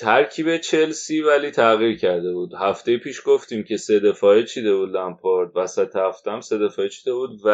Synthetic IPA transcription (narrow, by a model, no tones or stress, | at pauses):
t̪ʰæɾcʰiːbe̞t͡ʃʰe̞lsiːvæliːt̪ʰæɣiːɾcʰæɾd̪e̞buːd̪̥hæft̪e̞jepʰiːʃɡ̥o̞ft̪iːmcʰe̞se̞d̪e̞fɒːet͡ʃʰid̪e̞buːd̪læmpʰoɾd̪̚væsæt̪ʰehæft̪ææmse̞d̪e̞fɒːet͡ʃʰid̪e̞buːd̪væ